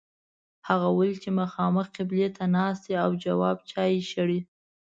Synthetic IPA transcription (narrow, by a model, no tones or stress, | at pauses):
haɣawəlt͡ʃemaxɑməxqɪblet̪ʰanɑst̪iawd͡ʒawɑb̚t͡ʃɑjeʃəɽi